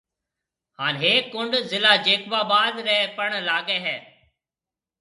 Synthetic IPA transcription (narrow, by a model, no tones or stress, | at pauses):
haːnɦeːkːʊɳɖzɪlaːd͡ʒeːkʋaːbaːd̪ɾɛːpəɳlaːɡeːɦɛː